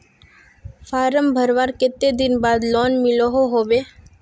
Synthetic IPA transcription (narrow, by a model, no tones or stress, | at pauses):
fʰaːɾəmbʱəɾʋaːɾkɪt̪ːed̪ɪnbaːd̪lɔːnmɪloɦoɦoːʋeː